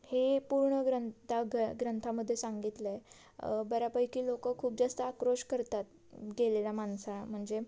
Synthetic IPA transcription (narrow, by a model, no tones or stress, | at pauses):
hepuɾɳəɡɾənt̪ʰaɡɡɾənt̪ʰaməd̪ʱːjesãŋɡit̪le | bəɾapəjkiːlokəkʰuːp̚d͡zast̪əakɾoɕkəɾt̪at̪̚ | ɡelelamansam̤əɳd͡ze